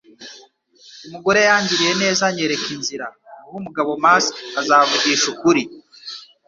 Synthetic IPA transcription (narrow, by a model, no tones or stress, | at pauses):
umuɡo̞ɾe̞jaːɲɟiɾije̞ne̞ːzaɲe̞ɾe̞kinziɾahumuɡaβo̞maːsazaːvuɟiːʃukuɾi